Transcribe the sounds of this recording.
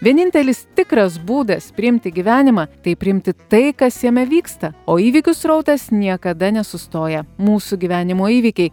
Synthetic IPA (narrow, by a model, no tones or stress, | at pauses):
ʋʲiɛnʲɪnʲt̪ʲɛlʲɪst̪ʲɪkɾɐs̬buːd̪ɐspʲɾʲɪɪmʲt̪ʲɪɡʲiʋʲæːnʲɪmɑːt̪ɐɪpʲɾʲɪɪmʲt̪ʲɪt̪ɐɪkɐsjɛmʲɛʋʲiːkst̪ɐoːiːʋʲɪkʲʊsɾɐʊt̪ɐsnʲiɛkɐd̪ɐnʲɛsʊst̪oːjɛmuːsuɡʲiʋʲæːnʲɪmoːiːʋʲikʲɛɪ